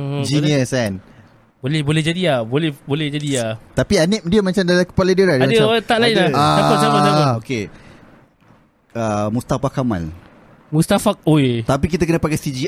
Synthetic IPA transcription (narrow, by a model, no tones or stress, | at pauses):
d͡ʒiniəsɛn | bolɛhbolɛɦd͡ʒadiabolɛhbolɛhd͡ʒadiat̪apianɪʔ̚diəmat͡ʃamdalakə̥palədəɾadmaaat̪aʔlaiaaaasabasaoke | əmust̪afakamã̰n | must̪afak̚oet̪ap̬ik̬it̪akənə̃pakasid͡ʒi